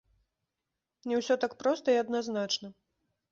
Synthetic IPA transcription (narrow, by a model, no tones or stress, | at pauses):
nʲɛwsʲɔt̪akpɾɔst̪ɐiɐd̪naznat͡ʂnɐ